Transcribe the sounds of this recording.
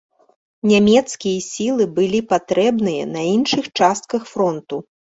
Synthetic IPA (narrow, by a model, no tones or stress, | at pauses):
nʲamʲɛt̪skʲijɐsʲilˠɨbɨlʲipat̪ɾɛbnɨjɐ̰nɐinʂɨxt͡ʂast̪̚kɐxfɾɔnt̪u